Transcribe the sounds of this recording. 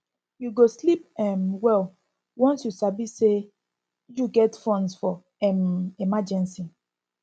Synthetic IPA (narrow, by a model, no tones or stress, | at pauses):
juɡoslipɛmwɛl | wɔ̃nsjusabise | juɡɛtfɔ̃nsfɔ | ɛmemad͡ʒɛ̃nsi